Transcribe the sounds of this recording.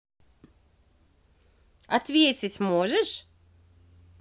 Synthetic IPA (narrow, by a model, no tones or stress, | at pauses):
at̪vʲiɛt̪sʲismuɔʒɛʃ